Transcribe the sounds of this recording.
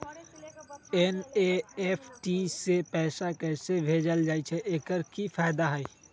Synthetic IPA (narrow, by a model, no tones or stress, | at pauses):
ɛneefʰʈisepɛːsakɛːsebʱeːd͡ʒəld͡ʒaːit͡ʃʰɛʔeːkəɾkifʰaːɪd̪aɦɛi